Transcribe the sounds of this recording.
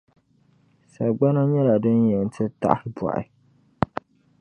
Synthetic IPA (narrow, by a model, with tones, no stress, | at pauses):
sa˨ɡ͡ba˦na˦ɲɛ˦la˨dɨ˦njɛ˨n˨tʰɨ˦ta̰˦˨ʔhɪ˦bwa̰˨ɪ̰˦